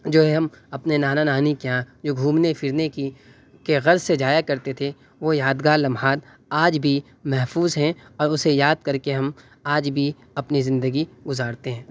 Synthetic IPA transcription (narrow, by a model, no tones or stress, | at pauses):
d͡ʒoːɦɛɦɐmɐpnenaːnanaːnikjãːd͡ʒoːɡʱuːmnefʰɪɾneki | keɣɐɾzsed͡ʒaːjakɐɾt̪et̪ʰe | ʋojaːd̪ɡaːɾlɐ̃mɦaːd̪ | aːd͡ʒbʱi | mɛɦfuːzɦɛ̃ɔːɾʊsejaːd̪̚kɐɾkeɦɐm | aːd͡ʒbʱi | ɐpnizɪ̃nd̪əɡiɡʊzaːɾt̪eɦɛ̃ː